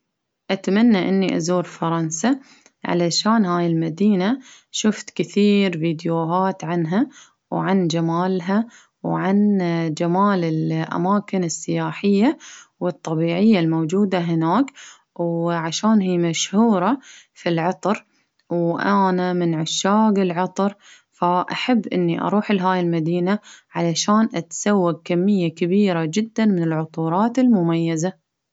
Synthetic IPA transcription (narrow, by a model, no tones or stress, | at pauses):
ʔat̪manːaʔɪ̰nːiʔa̰zuːɾfɑɾˤɑnsa | ʕa̰laʃaːnhaːjɪlmad̪iːna | ʃʊft̪kɪθiːɾviːd̪juɦaːt̪ʕanɦa | wʕand͡ʒamaːlɦa | wʕand͡ʒamaːlɪlʔa̰maːkɪnɪsːɪjaːħɪjːawɨt̪ˤːɑbiːʕɪjːalmowd͡ʒuːd̪aɦɪnaːk | wʕaʃaːnɦiːmaʃhuːɾˤɑfilʕɑt̪ˤɾ | wʔanamɪnʕʊʃːaːɡɪlʕɑt̪ˤɾ | faʔaħabːʔɪ̰nːiʔɑ̰ɾˤuːħɪlɦaːjɪlmad̪iːnaʕalaʃaːnʔat̪sawːaɡ̚kamːɪjːakabiːɾad͡ʒɪd̪ːanmɪnɪlʕʊt̪ˤuːɾˤɑːt̪ɪlmʊmajːaza